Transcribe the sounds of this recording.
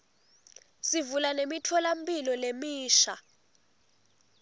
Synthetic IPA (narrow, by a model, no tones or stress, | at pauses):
sivulanemitʰɔlam̩pʼilɔlemiːʃa